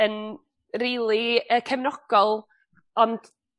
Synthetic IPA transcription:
ən | riːlˠiəkʰɛmnɔɡ̥ɔlˠ | ɔnd̥

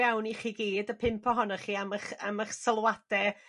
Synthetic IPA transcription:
awniχiːɡiːdəpʰɪmpʰɔɦɔnaχiːaməχa̰maχsəlˠwad̥ɛ

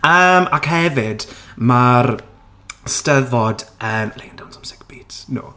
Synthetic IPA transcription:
əmakhɛvɪdmar | stəvɔdəmleːndawnsɔmsɪ̥kb̥iːtʰno̰ː

